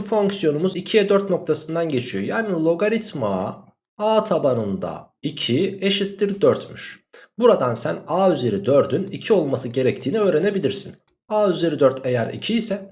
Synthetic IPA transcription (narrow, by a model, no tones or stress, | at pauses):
fo̞ŋksijo̞numuzicʰijɛd̪øɾt̪no̞k̚t̪ʰasɯnd̪anɟe̞t͡ʃʰijo̞̰jaːnilʲˠo̞ɡaɾit̪ma̰ | aːt̪ʰabanɯnd̪a̰ | icʰie̞ʃit̪ːiɾd̪øɾt̪myʃbuɾad̪ansænaːyzeɾid̪øɾd̪ynicʰio̞lˠmasɯɟe̞ɾɛc̚t̪ʰiːniø̞ːɾe̞ne̞bilʲiɾsin | aːyzeɾid̪øɾt̪ʰe̞jæɾḭcʰijisɛ